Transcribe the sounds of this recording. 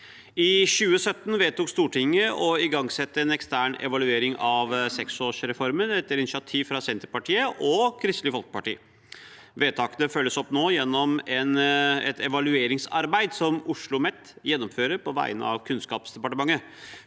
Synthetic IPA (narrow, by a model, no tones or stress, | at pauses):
ɪɕʉːəsœt̪ːnʋeːt̪uːkst̪uːʈɪŋːəʔɔɪɡɑŋsɛt̪ːəɛnɛkst̪æːɳɛ̰ʋɑlʉeːɾɪŋɑʋsɛksoːʂɾɛfɔɾmənɛt̪ːəɾɪnɪʃɑt̪ʰiːʋfɾɑsɛnt̪əɾpɑʈʰiːəʔɔkʰɾɪst̪lɪəfɔlkə̥pɑʈḭː | ʋeːt̪ʰɑːkənəfœlːəsɔpːnoːjɛnːɔmɛnɛ̰t̪ʰɛʋɑlʉeːɾɪŋsɑɾbæɪd̪sɔmʊʂɭʊmɛt̪ː | jɛnːɔmføːɾəɾpʰɔʋæ̰ɪə̰nəɑ̰ʋkʰʉnskɑːpsd̪ɛpɑʈəmɑŋːə